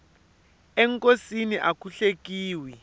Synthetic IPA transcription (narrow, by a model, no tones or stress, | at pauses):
ɛŋkʼosiniʔakʰuɬek̬ʼiːwi